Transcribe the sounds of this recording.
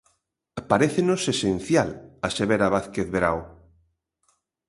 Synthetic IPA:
paɾeθenosesen̟θjalaʃeβeɾaβaθkeθβeɾa̰w

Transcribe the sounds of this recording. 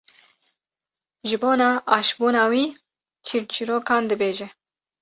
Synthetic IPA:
ʒɪboːnɑːʔɑːʃbuːnɑːwiː | t͡ʃʰiɾt͡ʃʰiɾoːkɑːnd̪ɨbeːʒɛ

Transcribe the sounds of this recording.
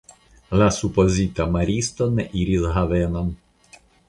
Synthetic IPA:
lasupɔzʲit̪ɐmɐɾʲist̪ɔnɛʔiɾʲizɦɐʋɛnɐm

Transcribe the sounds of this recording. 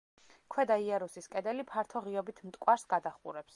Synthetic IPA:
kʰwɛd̪aiaɾusiskʼɛd̪ɛlipʰaɾt̪ʰɔʁiɔbit̪ʰmt̪ʼkʼwaɾsɡad̪aχṵɾɛps

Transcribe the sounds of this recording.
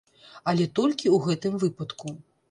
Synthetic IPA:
ɐlʲɛt̪ɔlʲkʲiuɣɛt̪ɨmvɨpɐt̪ku

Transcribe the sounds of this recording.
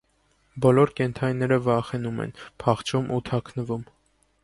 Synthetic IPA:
bɔlɔɾkɛnt̪ʰɑninːɛɾəvɑχɛnumɛ̰npʰɑχt͡ʃʰumʔut̪ʰɑkʰnəvum

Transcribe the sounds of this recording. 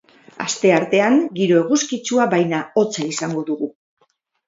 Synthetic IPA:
a̰st̪e̞aɾt̪e̞aŋɡiɾo̞e̞ɣuskit͡suaβajnao̞t͡saisaŋɡo̞ðuɣu

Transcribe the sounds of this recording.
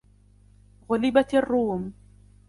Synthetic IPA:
ɣʊlɪbat̪ɑrːuːm

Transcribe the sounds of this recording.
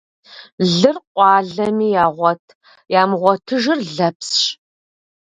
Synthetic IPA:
ɮɨrqʷʼɑːɮɐmiːjaːʁʷɔtʰ | jaːmʁʷɔtʰɨʒɪrɮɐpsɕ

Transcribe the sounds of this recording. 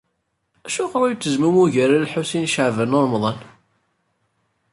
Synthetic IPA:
æʃʊqɾæjt͡sːəzmumuʝæɾællħusinʃəʕvænoɾˤmðˤɑn

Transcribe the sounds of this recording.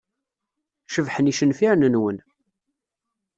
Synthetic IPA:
ʃəvħəniʃənfiɾnənwən

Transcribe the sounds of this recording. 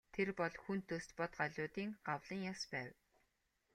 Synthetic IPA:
t̪ʰerpɔɮxunt̪ʰːɵst̪pɔt̪ɢaɮʲʊːt̪iːŋɢawɮĭːŋjaspæːw

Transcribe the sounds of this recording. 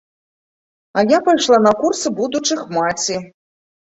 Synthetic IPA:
ɐjapajʂlˠanɐkursɨbud̪ut͡ʂɨxmat͡sʲi

